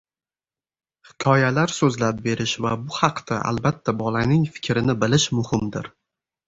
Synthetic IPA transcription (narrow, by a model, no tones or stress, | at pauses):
hɪ̥kʲʰɒjalaɾsɵzlap̚be̞ɾɪʃvabʊhɑqd̪̥aʔa̰lbat̪ʰːabɒlanɪŋfɪ̥kʲʰɾɪnɪbɪlɪʃmʊhɪmd̪ɪɾ